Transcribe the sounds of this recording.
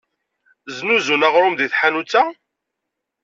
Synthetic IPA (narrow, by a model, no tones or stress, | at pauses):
znuzunaʁɾˤʊmðiθħanut͡sːæ